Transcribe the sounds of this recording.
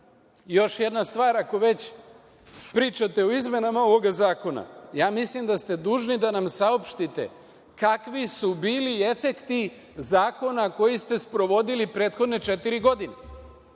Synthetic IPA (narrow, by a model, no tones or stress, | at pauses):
jo̞ʃjed̪nast̪ʋaːɾako̞ʋe̞t͡ɕ | pɾiːt͡ʃat̪eo̞izme̞namao̞ʋo̞ɡazaːko̞na̰jaːmislimd̪ast̪e̞d̪uːʒnid̪anamsao̞pʃt̪it̪e̞̰ | kakʋisubiːlie̞fe̞kt̪i | zaːko̞nako̞jist̪e̞spɾo̞ʋo̞d̪ilipɾe̞ːt̪xo̞d̪ne̞t͡ʃet̪iɾiɡo̞d̪ine